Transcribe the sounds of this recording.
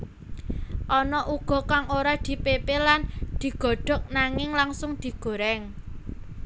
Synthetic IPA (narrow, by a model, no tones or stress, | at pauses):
ʔɔnɔʔuɡ̥ɔ̤kaŋoɾad̪̥i̤pepeland̪̥i̤ɡ̥ɔ̤ɖ̥ɔ̤k̚naŋɪŋlaŋsʊŋd̪̥i̤ɡ̥o̤ɾɛŋ